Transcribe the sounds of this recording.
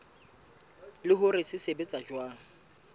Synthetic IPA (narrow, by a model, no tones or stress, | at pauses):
lɪɦʊrɪsɪsebet͡sʼad͡ʒwaːŋ̩